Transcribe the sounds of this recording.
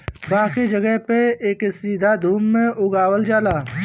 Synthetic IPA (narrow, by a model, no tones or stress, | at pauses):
baːked͡ʒəɡəɦpeeːksiːd̪ʱad̪ʱuːmːẽʊɡaːwəld͡ʒaːlaː